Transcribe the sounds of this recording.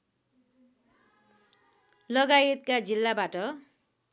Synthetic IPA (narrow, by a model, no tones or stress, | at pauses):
lʌɡajet̪̚kad͡zilːabaʈʌ